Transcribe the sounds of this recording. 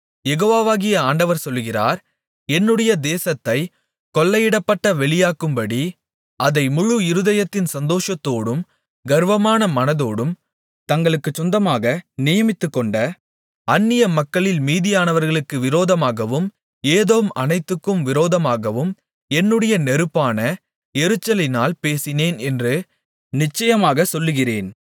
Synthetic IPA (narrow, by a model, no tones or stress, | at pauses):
jɛɣoːʋaːʋaːɣɪjɐaːɳɖɐʋɐɾsɔlːɣɪra̰ːɾ | ɛnːɯɽɐjɐd̪eːsɐt̪ːɐɪ | kɔlːɐjɪɽɐpːɐʈːɐʋɛɭɪjaːkɯmbɐɽi | ɐðɐɪmʊɻuɪɾɯðɐjɐt̪ːɪnsɐnd̪oːʂɐt̪ːoːɽɯm | ɡɐɾʋɐmaːnɐmɐnɐðoːɽɯm | t̪ɐŋɡɐɭɯkːɯt͡ʃːɔnd̪ɐmaːɣɐnɪjɐmɪt̪ːɯkːɔɳɖɐ | ɐnːɪjɐmɐkːɐɭɪlmiːðɪjaːnɐʋɐɾɣɐɭɯkːɯʋɪɾoːðɐmaːɣɐʋɯm | eːðoːmɐnɐɪt̪ːɯkːɯmʋɪɾoːðɐmaːɣɐʋɯm | ɛnːɯɽɐjɐnɛɾɯpːaːnɐ | ɛɾɯt͡ʃːɐlɪnaːlpeːsɪneːnɛndrɯ | nɪt͡ʃːɐjɐmaːɣɐsɔlːɯɣɪreːn